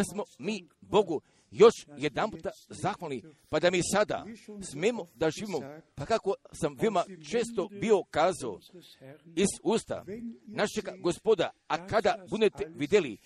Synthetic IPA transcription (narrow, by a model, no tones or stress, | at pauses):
asmo̞miːbo̞ɡu | jo̞ʃje̞d̪amput̪azaxʋalnipad̪amisad̪a̰smeːmo̞d̪aʒiːʋimopakako̞samʋeomat͡ʃeːst̪o̞bio̞kaːzao̰ | iz̥uːst̪a̰naʃeɡaɡospod̪aakad̪abud̪et̪eʋid̪eli